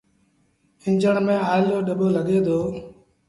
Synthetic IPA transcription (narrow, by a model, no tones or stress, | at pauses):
ɪ̃ɲd͡ʒəɳmẽːaːɪloːɗəɓoːləɠeːd̪oː